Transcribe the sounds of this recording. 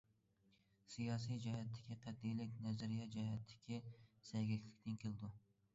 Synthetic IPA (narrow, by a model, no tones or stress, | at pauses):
sijɑːsijd͡ʒɑhɛt̪ʰːɪ̥kʲiqʰæd̪ːijlɪkʲnɛzɪɾijɑd͡ʒɑhɛt̪ʰːɪ̥kʲʰisɛjɡʲɛkʲlɪkʲt̪ʰɪnkʰʲeld̪u